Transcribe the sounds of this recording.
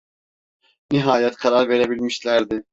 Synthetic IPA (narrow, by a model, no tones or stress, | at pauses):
niɦaːjɛt̪kʰaɾaɾve̞ɾebilʲmiʃlʲæɾd̪ɪ